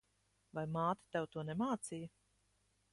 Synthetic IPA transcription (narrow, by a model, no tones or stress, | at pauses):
vajmaːt̪i̥t̪ɛwt̪uɔnɛmaːt̪sijɐ